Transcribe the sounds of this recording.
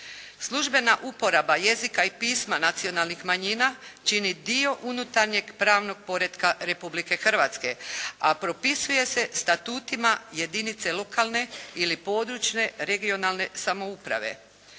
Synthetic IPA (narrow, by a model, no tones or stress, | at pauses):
slˠuʒbe̞naʔupo̞ɾabaje̞zikaipiːsmanat̪sio̞nalˠnixmaɲiːnat͡ʃinid̪io̞ʔunut̪aɾɲe̞ɡpɾaːʋno̞ɡ̚po̞ɾe̞d̪kaɾe̞publike̞xr̩ʋat̪ske̞apɾo̞pisuje̞se̞st̪at̪uːt̪imaje̞d̪init̪se̞lˠo̞kalˠne̞ilipo̞ːd̪ɾut͡ʃne̞ɾe̞ɡio̞nalne̞samo̞upɾa̰ʋe̞̰